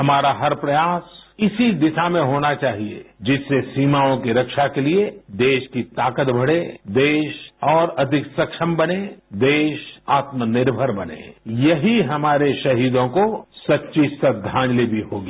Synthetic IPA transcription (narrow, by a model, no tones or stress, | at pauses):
ɦɐmaːɾaɦɐɾpɾɐjaːsɪsid̪ɪʃamẽɦoːnat͡ʃaːɦiḛd͡ʒɪsːesiːmaːõkiɾɐkʃakelied̪eːʃkit̪aːkət̪bʱɐɽ̤ed̪eːʃɔːɾɐd̪ʱɪksɐkʃəmbɐned̪eːʃaːt̪mənɪɾbʱəɾbɐnḛːjɐɦiɦɐmaːɾeʃɐɦiːd̪õkosɐtːʃissəd̪ʱãːd͡ʒlibʱiɦoːɡiː